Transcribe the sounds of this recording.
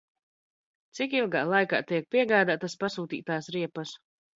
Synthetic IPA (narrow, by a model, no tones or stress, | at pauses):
t̪sikilˠɡaːlˠajka̰ːt̪iɛk̚piɛɡaːd̪aːt̪aspasuːt̪ḭːt̪aːsɾiɛpɐs